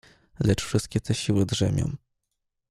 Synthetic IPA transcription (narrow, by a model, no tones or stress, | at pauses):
lɛt͡ʂfʂɘst̪kʲɛt̪ʰɛɕiwɘd̪ʐɛmʲjɔ̰̃w̃